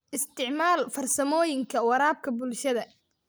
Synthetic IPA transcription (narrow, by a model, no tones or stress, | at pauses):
ʔɪst̪ʰɪʕmaːlfɐrsɐmɔːjɪŋkʰɐwɐɾaːb̚kʰɐbʊlʃɐðɐ